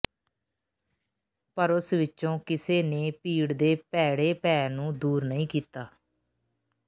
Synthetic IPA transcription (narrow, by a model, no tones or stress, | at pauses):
pəɾʊsʋɪtːt͡ʃõːkɪseːneːpiːɽd̪eːpɛːɽeːpɛːnũːd̪uːɾnəĩːkiːt̪aː